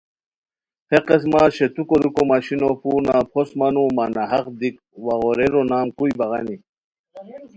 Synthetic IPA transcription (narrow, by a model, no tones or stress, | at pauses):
pʰeqes̬maːɕet̪ukoɾukomaɕinopuːnapʰosmanumanaɦɐqd̪ik̚ | waɣoɾeɾonaːmkujbɐɣani